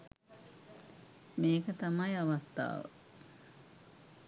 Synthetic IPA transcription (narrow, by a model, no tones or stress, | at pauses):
meːkɐt̪ɐmɐjɐʋɐt̪ːa̰ːʋ̰